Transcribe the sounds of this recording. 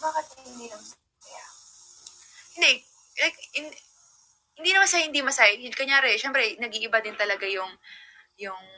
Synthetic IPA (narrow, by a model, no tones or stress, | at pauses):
baːkɪt̪̚ɐɪnd̪ilɐmsɐ | kɐja | hɪnd̪ɛ | lajk̚hɪnd | hɪnd̪iːnɐmɐsaːjhɪnd̪imɐsajɐkɐɲaːɾɛʃɛmpɾɛnɐɡiʔɪbad̪ɪnt̪ɐlɐɡajʊŋ | jʊŋ